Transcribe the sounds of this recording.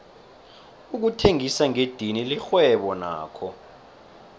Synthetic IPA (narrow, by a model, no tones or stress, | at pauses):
uk̬utʰeŋisaŋed̥ʱinilixwɛɓɔna̰ːkʰɔ